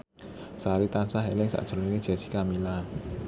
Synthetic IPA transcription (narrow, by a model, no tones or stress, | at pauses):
saɾit̪ansaɦɛlɪŋsa̰ʔd̥ʒ̥ɾɔninid͡ʒ̥asi̥kamila